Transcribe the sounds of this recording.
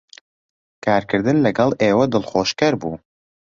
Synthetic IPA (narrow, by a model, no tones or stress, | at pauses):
kʰaːɾkʰɨɾd̪ɨnlɐɡɑlˠʔeːwɐd̪ɨlˠxoːʃkɐɾbuː